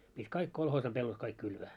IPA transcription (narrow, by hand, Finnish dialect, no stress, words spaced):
pitʲ kɑik kolhoːsɑ pelːot kɑik kylʋæː